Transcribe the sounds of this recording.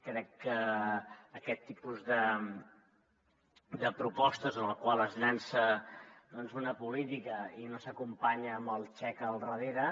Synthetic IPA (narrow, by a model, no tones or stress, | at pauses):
kɾɛkːəː | kɛt̪ːipuzðə | d̪əpɾupɔst̪əzənəlˠkwalˠəznansəd̪ɔnzunəpulit̪ikəinosəkumpaɲəːmbəlˠt͡ʃɛkəlˠrəðeɾə